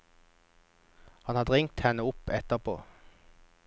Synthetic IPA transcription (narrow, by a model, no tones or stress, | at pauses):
hɑnhɑːd̪ʁɪŋt̪hɛnəʊpɛt̪əʁpʰo̰ː